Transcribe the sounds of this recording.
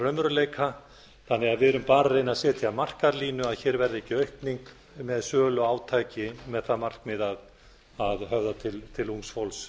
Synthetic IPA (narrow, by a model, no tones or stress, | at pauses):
rœmɾʏleːjkʰa | θanːɛɣaðvɪðɛɾʏmpaːɾareːjnaðsɛːt̪ʰɪamar̥kaɾliːnʏaðçɛːɾvɛɾðɪɛhcːɪœɥhpniŋk | mɛðsœːlʏaːwt̪ʰaːjcɪmɛðθaðmar̥kmɪðað | aðɦœvðat̪ʰɪlt̪ʰɪluŋsfowls